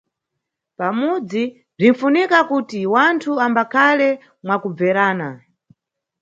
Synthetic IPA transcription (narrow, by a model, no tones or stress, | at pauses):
pamud͡zi | b͡ʐin̩funikakutiwantʰuambakʰalɛ | mwakub͡vɛɾaːna